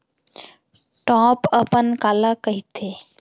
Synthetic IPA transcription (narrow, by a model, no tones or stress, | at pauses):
ʈɔ̃ːpəpənkaːlakəɦit̪ʰeː